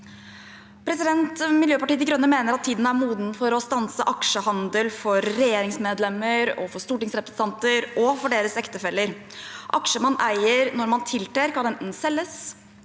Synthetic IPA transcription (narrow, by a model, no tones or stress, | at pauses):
pʰɾɛsɪd̪ɛnt̪mɪljøːpɑʈiːt̪ɪɡɾœnːəmeːnəɾɑt̪ʰːiːd̪n̩æɾmuːd̪n̩fɔɾɔst̪ɑnsəʔɑkʂəhɑnd̪əlfɔɾːɛjeːɾɪŋsmeːd̪lɛmːəɾɔ̰fɔʂt̪uːʈɪŋsɾɛpɾəsn̩ɑnt̪əɾʔɔfɔɖeːɾəsɛkt̪əfɛlːəɾ | ʔɑkʂəmɑnʔæɪəɾnɔɾmɑnt̪ʰɪlt̪ʰɾeːɾkɑnɛnt̪n̩sɛlːəs